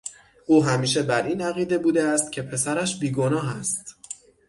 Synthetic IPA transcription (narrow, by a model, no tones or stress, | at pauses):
ʔuːɦæmiːʃ̬e̞bæɾʔiːnæɣiːd̪e̞buːd̪eæst̪̚cʲʰe̞pʰe̞sæɾæʃbiːɡo̞nɒːɦæst̪